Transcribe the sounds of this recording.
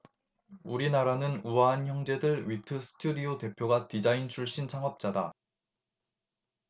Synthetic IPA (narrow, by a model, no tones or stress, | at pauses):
uɾinaɾanɯnuaːnçjʌŋd͡ʑe̞dɯɭɥitʰɯsʰɯ̥tʰudiote̞pʰjoɡatid͡ʑaint͡ɕʰuɭɕ͈int͡ɕʰaŋʌp̚t͡ɕ͈ada